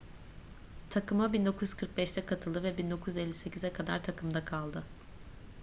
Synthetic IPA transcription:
t̪ʰakɯmabind̪o̞kʰujyz̥kʰɯɾk̚bɛʃt̪ʰɛkʰat̪ʰɯlˠd̪ɯvɛbind̪o̞kʰujyzelʲːise̞cʰizɛkʰad̪a̰ɾt̪ʰakʰɯmd̪akʰalˠd̪ɯ

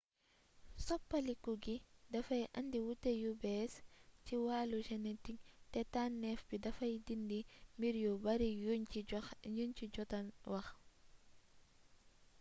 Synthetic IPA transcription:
sɔpːɐlikuɡidɐfɐjʔɐ̰ndiwutːejubɛsciwaːluʃɛnɛtiŋtɛtaːnːɛfbidɐfɐjdindimbiɾjobɐɾi | junt͡ʃiɟɔtɐnwɐx

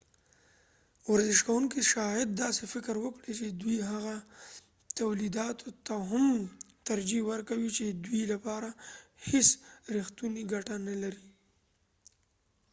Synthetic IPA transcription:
waɾzɪʃkawuŋkiʃɑjɪd̪ːɑsefɪkɾwəkɽit͡ʃed̪wiɦaɣa | t̪awlid̪ɑt̪ʰot̪aɦam | t̪aɾd͡ʒiwəɾkawit͡ʃed̪wilapɑɾahesɾixt̪uniɡaʈanalaɾi

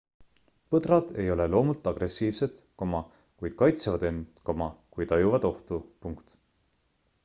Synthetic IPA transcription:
pɤd̪rɑd̪̥e̞jo̞le̞lo̞ːmult̪ːˑɑɡ̥re̞siːvse̞t̪ko̞mɑ | kujd̪̥kɑjt̪sevɑd̪e̞nko̞mɑkujt̪ɑjuvɑd̪̥o̞ht̪upuŋkt̪

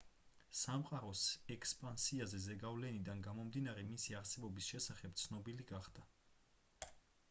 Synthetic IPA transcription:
samqʼaɾɔsɛkspʼansiazɛzɛɡavlɛnid̪anɡamɔmd̪inaɾɛmisiaɾsɛbɔbisʃɛsaχɛp̚t̪sʰnɔbiliɡaχd̪̥a

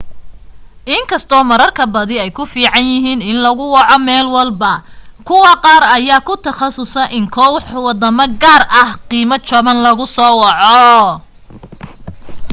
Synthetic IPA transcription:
ʔɪŋkʰɐst̪ʰɔːmɐɾɐrkʰɐbɐðɪɛjkʰʊfiːʕɑnjɪɦiːnɪnlɐɣʊwɑʕɔmɛːlwɑlbɐkʰʊwɑqɑːɾɐjaːkʰʊt̪ʰɐχɑsʊsɐʔɪŋkʰɔwħwɑd̪ɐmɐɡaːrʔɐhqiːmɐt͡ʃɔβɐnlɐɣʊsɔːwɑʕɔ

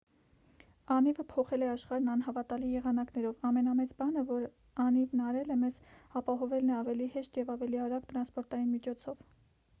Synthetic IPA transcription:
ɑnivəpʰɔχɛlɛɑʃχɑɾnɑn̪ɦɑvɑt̪ɑlijɛʁɑnɑknɛɾɔvɑmɛnɑmɛt͡sbɑnəvɔɾ | ɑnivnɑɾɛlɛmɛzɑpɑɦɔvɛlnɛɑvɛlihɛʃt̪jɛvɑvɛliɑɾɑɡt̪ɾɑnspɔɾt̪ɑjinmit͡ʃʰɔt͡sʰɔv

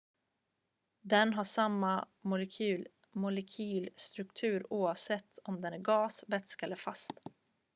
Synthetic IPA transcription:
d̪ɛnɦaʂamːa | mʊlɛkʰyːl | mʊlɛkʰyːlst̪ɾɵkt̪ʰʉ̟ːɾuːavsɛt̪ʰːɔmd̪ɛnæɾɡɑːsvɛt̪skɛlːəɾfast̪

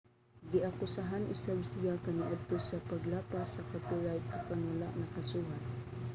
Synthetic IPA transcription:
d̪ɪʔakʊsaɦanʔʊ̰sabsɪjakanɪʔad̪̚t̪osapaɡlaːpasakapɪɹajt̪akaŋwalaʔnɐkasuːɦat̪̚

